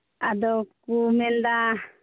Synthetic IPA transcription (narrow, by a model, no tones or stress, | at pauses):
ad̪ɔkumɛld̪a